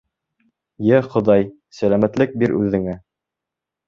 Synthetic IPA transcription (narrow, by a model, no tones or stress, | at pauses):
jæχŏðɑj | sælæmæt̪lɘk̚biɾʉðɘ̆ŋæ